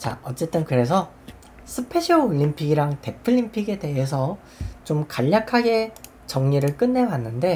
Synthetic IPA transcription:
t͡ɕa̰ʌt͡ɕ͈e̞t͈ɯnkɯɾe̞s̬ʰʌ | sʰɯpʰe̞ɕʰiouʎːimpʰiɡiɾaŋte̞pʰɯʎːimpʰiɡe̞de̞ɦe̞s̬ʰʌ | t͡ɕomkaʎːakʰaɡe̞ | t͡ɕʌŋɲiɾɯɭk͈ɯnːe̞wanːɯnde̞

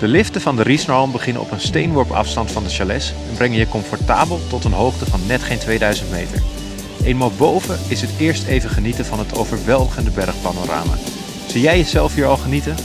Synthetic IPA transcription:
d̥əlɪftəvɑndərisnɔlˠmbəχɪnə̰nɔ̰pənstejnʋɔɹpɑ̰fstɑntfɑndəʃalɛsɛnbrɛŋənjəkɔmfɔɹta̰ːbəlˠtɔtənɦowχtəvɑnːɛtχejntʋejdœɥzəntmejtə̰ɹ | ʔejnmaːlˠbowvəɪsətɪːɹstejvəχənitənvɑnɦətʰo̰wvəɹʋɛlˠdəχəndəbɛɹχpanoɾa̰ːma̰ː | z̥ijɛjjəzɛlˠfɦiːɹɑlˠχənitə

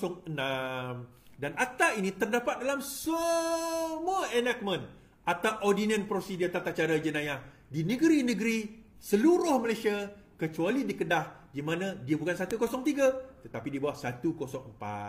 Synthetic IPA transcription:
sɔŋənam | danat̪ainĩt̪ərdapat̪̚dalamsə | muaʔənak̚mə̃n | at̪awʔodinə̃npɾosidit̪at̪aʔt͡ʃaɾad͡ʒənãjah | dinə̃ɡəɾinə̃ɡəɾi | səluɾʊhməlajsia | kət͡ʃualidikədahdimãnãdiabukansat̪ukosɔŋt̪iɡat̪ət̪apidiəbawahsat̪ukosɔŋəmpa̰

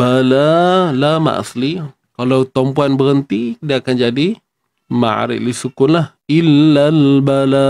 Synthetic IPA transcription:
balalama̰ʔa̰sli | kalawt̪ɔmpuanbəɾənt̪idaakand͡ʒadi | ma̰ɾɪ̰ʔlisukʊnlah | ilːalbala

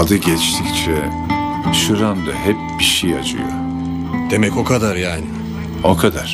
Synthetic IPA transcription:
ad̪ɯɟɛt͡ʃt̪ʰict͡ʃʰɛ | ʃɯɾand̪a̰hɛp̚biʃejad͡ʒɯ̰jo̰ | d̪̥e̞mɛco̞kʰad̪aɾjaːni | okʰad̪aɾ̥

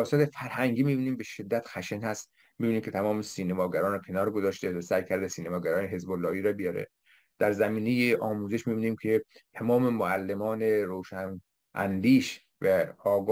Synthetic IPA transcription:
ɒːsɒːt̪ʰefæɾhæŋɟiːmiːbiːniːmbe̞ʃe̞d̪ːæt̪xæʃenhæst̪ | miːbiːniːmkcʰe̞t̪ʰæmɒːmesiːnemɒːɡæɾɒːnɛkʰe̞nɒːɾɡo̞zɒːʃt̪evæsæjkʰæɾd̪esiːnemɒːɡæɾɒːneɦe̞zbolːɒːiːɾɒbijɒːɾḛ | d̪̥æɾzæmiːnejeʔɒːmuːzeʃmibiːniːmcʰe̞t̪ʰæmɒːme̞moælːemɒːneɾoːʃæn | ʔæ̰nd̪iːʃ | væɒːɡ

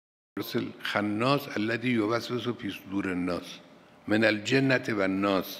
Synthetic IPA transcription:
ɾselxanːɒːsælːæd̪iːjoβæses̬opʰiːsd̪uːɾenːɒːs | menæld͡ʒenːæt̪ʰevænːɒːs

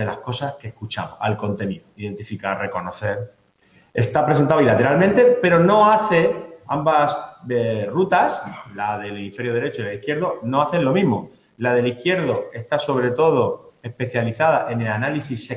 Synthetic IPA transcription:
e̞lahko̞saskehkut͡ʃa̰mo̰salko̞nt̪e̞niðoiðe̞nt̪ifikare̞ko̞no̞θe̞ɾ | e̞st̪apɾeent̪aoilat̪e̞ɾalment̪e̞pe̞ɾo̞no̞aθe̞ambas | rut̪aslaðe̞lenife̞ɾjoð̞e̞ɾe̞t͡ʃolaðihkje̞ɾðo̞no̞aθe̞nlo̞mĩɦmo̞ | laðe̞lihkje̞ɾðo̞e̞st̪aso̞β̞ɾe̞t̪o̞ð̞o̞e̞hpe̞θjaliθaðaʔe̞ne̞lanalisise

